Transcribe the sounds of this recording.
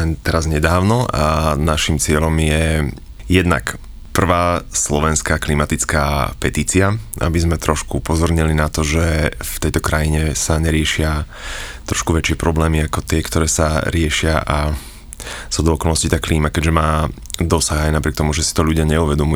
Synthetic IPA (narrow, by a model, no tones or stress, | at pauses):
ɛnt̪ɛɾazɲɛd̪aːʊnɔanaʃimt͡sɪɛʎɔmjɛ | jɛd̪na̰k | pr̩ʋaːslɔʋɛnskaːklimat̪it͡ska̰ːpɛt̪iːt͡siaa̰bizmɛt̪ɾɔʃkupɔzɔɾɲɛlinat̪ɔʒɛft̪ɛjt̪ɔkɾajiɲɛsaɲɛɾɪɛʃɪa | t̪ɾɔʃkuʋɛt͡ʃɪɛpɾɔblɛːmiakɔt̪ɪɛkt̪ɔɾɛːsaɾɪɛʃɪaʔa | sɔd̪ɔːkɔlˠnɔscit̪aːklʔiːmakɛɟʒɛmaː | d̪ɔsaɣajnapɾɪɛkt̪ɔmuʒɛsi̥t̪ɔʎuɟɪaɲɛuʋɛd̪ɔmu